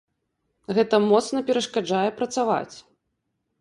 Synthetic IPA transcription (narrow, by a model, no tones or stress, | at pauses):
ɣɛt̪ɐmɔt̪snɐpʲɛɾɐʂkad͡ʐajɛpɾɐt̪sava̰t͡sʲ